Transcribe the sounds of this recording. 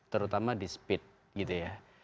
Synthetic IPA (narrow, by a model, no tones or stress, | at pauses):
t̪əɾut̪amadispɪt̪̚ | ɡit̪uja